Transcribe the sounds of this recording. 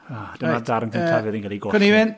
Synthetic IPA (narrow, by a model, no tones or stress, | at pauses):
ad̥ənadaɾənkʰəntʰavɨːðinkʰalˠiɡokənivɪn